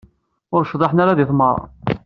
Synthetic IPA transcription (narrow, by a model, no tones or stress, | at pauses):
ʊɾʃðˤɑħnaɾaðiθˤmɑɾˤɑ̰